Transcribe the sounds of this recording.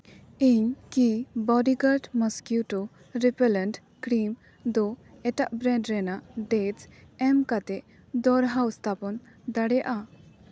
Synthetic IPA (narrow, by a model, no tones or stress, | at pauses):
iɲkibɔɖiɡaɾʈmɔskjutɔ | ɾipɛlɛnʈ | kɾim | d̪ɔɛtaʔbɾɛɖɾɛnaʔɖed͡ʒɛmkat̪ɛʔ | d̪ɔɾɦawst̪ʰapɔn | d̪aɽɛja̰ʔa